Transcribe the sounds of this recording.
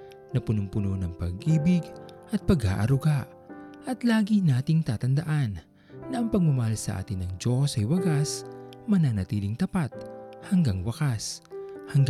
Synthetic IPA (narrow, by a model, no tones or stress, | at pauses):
nɐpʊnʊmpʊnonɐŋpɐɡʔiːbɪɡʔɐt̪̚pɐɡa̰ːʔɐɾʊɡaʔ | ʔɐt̪laːɡinaːt̪ɪŋt̪aːt̪ɐnd̪ɐʔanː | ɐʔɐŋpɐɡ̚mʊmɐhalsɐ̰ʔa̰ːt̪ɪnɐŋd͡ʒo̞sɐjwɐɡasmɐnanɐt̪iːlɪŋt̪ɐpat̪̚hɐŋɡaŋwɐkashɐŋɡ